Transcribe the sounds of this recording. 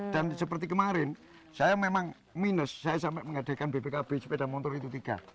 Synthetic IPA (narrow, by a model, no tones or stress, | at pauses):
d̥ansəpərt̪ikəmaɾɪn | sajamemaŋ | minəsːajasampɛʔməŋad̪̥a̤kanbeb̥ekab̥ɪsped̥amɔnt̪ɔɾit̪ut̪iɡ̥a̰